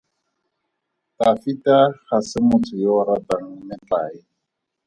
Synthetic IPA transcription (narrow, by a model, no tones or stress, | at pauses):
tafitaχasɪmʊt͡sʰʊjaʊɾataŋ̩nɪt͡ɬaːɪ